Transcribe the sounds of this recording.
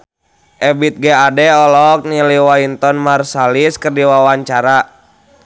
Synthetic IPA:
ʔɛbit̪̚ɡɛadɛɔlɔk̚niliwaint̪ɔnmarsaliskərdiwawaɲt͡ʃaɾa

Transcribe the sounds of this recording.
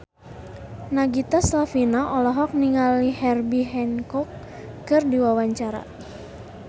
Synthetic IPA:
naɡit̪aslafinaʔɔlɔɦɔk̚niŋalihɛrbiɦɛnkɔkː | ɨrdiwawaɲt͡ʃaɾa̰

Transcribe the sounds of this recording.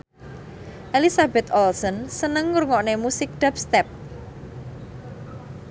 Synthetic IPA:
ʔelisabɛt̪ɔlsɔnsənəŋːuɾŋɔʔnemusɪk̚d̪̥a̤p̚st̪ɛp̚

